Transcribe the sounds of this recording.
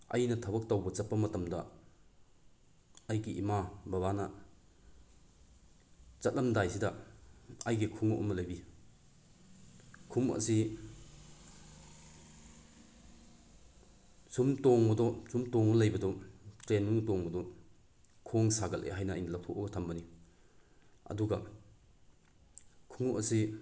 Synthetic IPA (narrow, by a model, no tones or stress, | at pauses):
ɐ̰jnɐtʰɐbɐk̚tɐwbɐt͡ʃɐt̚pɐmɐtɐmdɐ | ɐjɡiʔimabɐβanɐ | t͡ʃɐt̚lɐmdajsidɐ | ɐjɡikʰuŋɐʔṵmːɐlɐjbi | kʰumɐ̰si | sumtɔŋbɐdɔsumtɔŋmɐlɐjbɐdɔtɾenmuŋtɔŋbɐdɔ | kʰɔŋsaɡɐlʔḛɦajnɐ̰ːjnɐlɐw̚tʰɔʔɔɡɐtʰɐmbɐni | ɐ̰duɡɐ | kʰuŋuʔɐsi